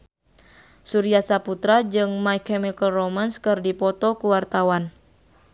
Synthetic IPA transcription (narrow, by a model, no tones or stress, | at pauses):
suɾiasaput̪ɾad͡ʒɨŋmajkɛmikəlromanskɨrdipɔt̪ɔkuwart̪awan